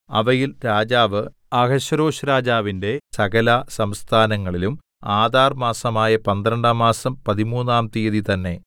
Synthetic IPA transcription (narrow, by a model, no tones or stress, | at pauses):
ɐ̰ʋɐjilɾaːd͡ʑaːʋɨ | ɐɡɐɕɐɾo̞ːɕɐɾaːd͡ʑaːʋinde̞sɐɣɐlɐsɐmst̪ʰaːnɐŋːɐɭilum | aːd̪ʱaːrmaːsɐmaːjɐpɐnd̪ɾɐɳɖaːmaːsɐmpɐðimuːnːaːmt̪ijɐðit̪ɐnːe̞